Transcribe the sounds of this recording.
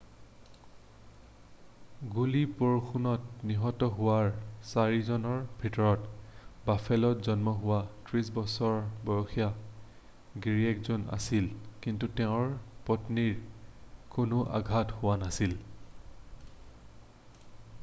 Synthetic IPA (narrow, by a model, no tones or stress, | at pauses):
ɡulipoɹxʰunɔtniɦɔtɔɦʊwaɹsaɹizɔnɔɹbʱitɔɹɔtbafʰɛlɔtzɔnmɔɦʊwatɹisbɔsɔɹbɔjɔxʰija | ɡiɹiɛkzɔna̰silkintutɛʊ̃ɹpɔtniɹ | kʊnʊʔa̰ɡʱathʊwanasil